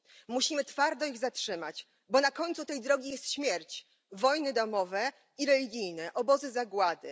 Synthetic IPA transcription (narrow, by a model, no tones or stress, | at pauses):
muɕimɘt̪faɾd̪ɔiɣzatʂɘmat͡ɕ | bɔnakɔɲt̪sut̪ɛjd̪ɾɔɡʲijɛst̪ɕmʲjɛɾt͡ɕ | vɔjnɘd̪amɔvɛ | iɾɛlʲiɡʲijnɛʔɔbɔzɘzaɡwad̪ɘ̰